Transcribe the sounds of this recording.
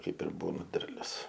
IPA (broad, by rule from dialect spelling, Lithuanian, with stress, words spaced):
ˈkɐɪp ɪr ˈbuːnɐ ˈdʲɛrʲlʲʊs